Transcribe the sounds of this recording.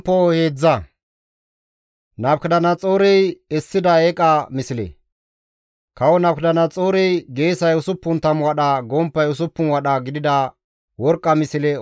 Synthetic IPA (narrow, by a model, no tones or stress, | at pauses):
pːɔhe̞ːd͡zːɐ | nɐbkd̪ɐnɐt͡sʼoːɾɛjɛsːɪd̪ɐɛkʼɐmɪsɪlɛ̰ | kɐwɔnɐbkd̪ɐnɐt͡sʼoːɾɛjɡe̞ːsɐjʊsʊpːʊnt̪ɐmwɐɗɐɡɔmpːɐjʊs̬ʊpːʊnwɐɗɐɡɪd̪ɪd̪ɐ | wɔɾkʼːɐmɪsɪlɛ